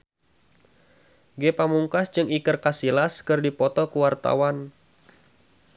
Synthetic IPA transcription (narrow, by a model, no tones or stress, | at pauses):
ɡepamuŋkasd͡ʒɨŋikərkasilaskɨrdipɔt̪ɔkuwart̪a̰wan